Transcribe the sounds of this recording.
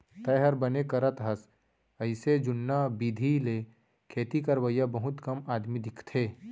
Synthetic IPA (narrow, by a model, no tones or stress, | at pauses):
t̪ɐjɦəɾbənekɐɾət̪ɦɐs | əɪsed͡ʒʊnːabid̪ʱile | kʰeːt̪ikəɾwəjabɐɦʊt̪kɐmaːd̪mid̪ɪkʰt̪ʰeː